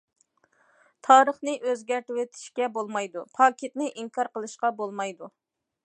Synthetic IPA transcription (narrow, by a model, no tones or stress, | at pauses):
t̪ʰɑːɾəχnɨʔøzɡʲæɾt̪ɪwet̪ʰi̥ʃkʲɛbolˠmɑjd̪upʰɑːkʲet̪nɪʔiŋkʰɑɾqəlˠɨʃqɑbolˠmɑjd̪u